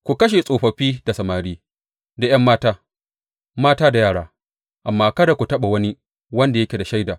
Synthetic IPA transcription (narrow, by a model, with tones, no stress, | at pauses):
kʷu˨kɐ˦ʃ̬e˨sʼoː˨ɸɐ˨ɸiː˦da˨sɐ˨maː˨ɾiː˦ | da˨jɐ˦mːaː˦taː˦ | maː˦taː˦da˨jaː˦˨ɽaː˦ | ʔa˨mːaː˦kɐ˦da˨kʷu˨tɐ˦ɓa˨wɐ˦ni˦ | wɐ˦nda˨jɐ˦kʲe˨da˨ʃa˦jdaː˨